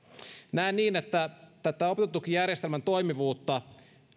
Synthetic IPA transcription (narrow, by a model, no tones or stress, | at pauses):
næenːiːnet̪ːæt̪æt̪ːæo̞pet̪et̪ːukijærjest̪elmænt̪o̞jmiʋuːt̪ːɑ